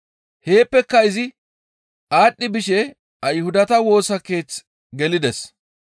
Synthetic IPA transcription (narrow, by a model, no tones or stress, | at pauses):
he̞ːpːɛkːɐɪzɪ | ʔaːɗːɪbɪʃɛ | ɐjhʊd̪ɐt̪ɐwo̞ːsɐke̞ːt͡s | ɡɛlɪd̪ɛs